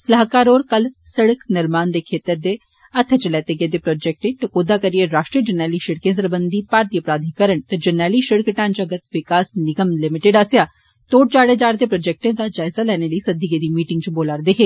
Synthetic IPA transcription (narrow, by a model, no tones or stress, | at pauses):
səlaːkaːɾoːɾkəlsəɽəknəɾmaːnd̪eːkʰeːt̪əɾd̪eː | ɐt̪ʰt͡ʃəlɛːt̪eɡed̪eːpɾɔːd͡ʒɛːk̚ʈẽːʈɐkod̪aːkəɾieɾaːʃʈɾijəd͡ʒənɛːliːʃɪɽkẽːsəɾbənd̪ipaːɾt̪iəpɾaːd̪ʱikəɾəɳt̪ɐd͡ʒənɛːliʃɪɽkʈãːnt͡ʃɐɡət̪ʋɪkaːsnɪɡəmlɪmɪʈeɖaːsjaː | t̪oːɽ̚t͡ʃaːɽeːd͡ʒaːɾd̪eːpɾoːd͡ʒɛk̚ʈẽːd̪aːd͡ʒaːɪzaːlɛːneləisɐd̪iɡeːd̪iːmiːʈɪ̃ŋɡt͡ʃboːlaːɾd̪eɦeː